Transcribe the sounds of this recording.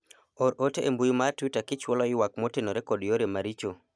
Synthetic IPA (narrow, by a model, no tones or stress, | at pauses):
oɾoteʔembujumatitakɪt͡ʃwɔlɔɪwakmotenoɾekɔdjoɾemaɾit͡ʃo